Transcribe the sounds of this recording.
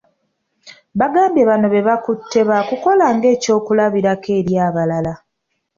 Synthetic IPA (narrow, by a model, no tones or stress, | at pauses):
βaɡaːmbjeβano̞βe̞βakutʰːe̞βakuko̞laːŋɡe̞ːco̞ːkulaβiɾakʰe̞ːɾjaːβalala